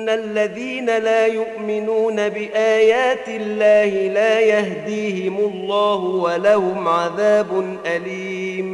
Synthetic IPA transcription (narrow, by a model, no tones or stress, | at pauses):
nːalːaðiːnalaːjʊʔmɪnuːnabɪʔaːjaːt̪ɪlːaːhɪlaːjahd̪iːhɪmʊlˤːɑːhʊwalahʊmʕaðaːbʊnʔaliː | m